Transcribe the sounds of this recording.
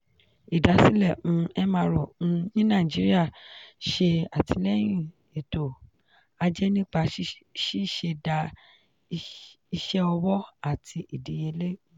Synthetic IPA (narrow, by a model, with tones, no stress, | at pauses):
i˨da˨˦si˦lɛ̃˦˨˧ɛ˦mã˧ɾɔ˨ũ˧nĩ˦nãː˦˨d͡ʒi˨˦ɾi˦a˦˨ʃe˧a˨tʰi˧lɛ˦j̃ĩ˦˨ | e˨to˨ | a˧d͡ʒɛ˦nĩ˦k͡pa˧˦ʃi˦˨ʃe˧da˧ | i˧ʃɛ˦ɔ˧wɔ˦a˦˨tʰi˧ʔi˨di˨˦jɛ˧le˦